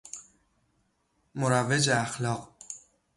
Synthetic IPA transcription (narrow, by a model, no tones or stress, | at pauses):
moɾæved͡ʒeæxlɒːq